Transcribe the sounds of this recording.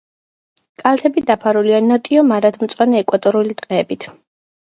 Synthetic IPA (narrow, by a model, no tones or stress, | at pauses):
kʼalt̪ʰɛbid̪apʰaɾulianɔt̪ʼiɔmaɾad̪mt̪sʼwanɛɛkʼwat̪ʼɔɾulit̪ʼqʼɛːbit̪ʰ